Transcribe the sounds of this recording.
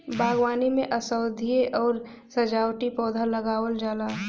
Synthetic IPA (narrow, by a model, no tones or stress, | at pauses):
bʱaːɡwaːnimẽʔɐsəʊd̪ʱieʔɔːɾ | sɐd͡ʒaːwʈipɔːd̪ʱaləɡaːwəld͡ʒaːlaː